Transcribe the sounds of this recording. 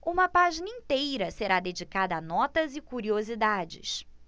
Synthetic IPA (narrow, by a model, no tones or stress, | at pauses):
ũmɐpaʒinɐĩt̪ejɾɐseɾad̪ed͡ʒikad̪ɐːnɔt̪ɐzɪkuɾiozid̪ad͡ʒɪ̰s